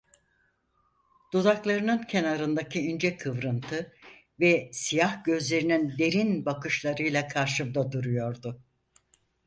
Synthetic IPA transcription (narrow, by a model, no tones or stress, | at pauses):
d̪̥ud̪aklˠaɾɯnɯncʰe̞naɾɯnd̪acʰiynd͡ʒɛkʰɯvɾɯnt̪ʰɯ | vɛsijahɟ̥ø̞zlʲe̞ɾinind̪e̞ɾinbakɯʃlˠaɾɯjlˠakʰaɾʃɯbd̪ad̪uɾujo̞ɾd̪ʊ